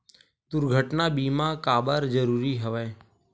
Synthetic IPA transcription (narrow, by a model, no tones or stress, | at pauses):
d̪ʊɾɡʱəʈnaːbiːmãːkaːbəɾd͡ʒəɾuːɾiːɦəʋɛː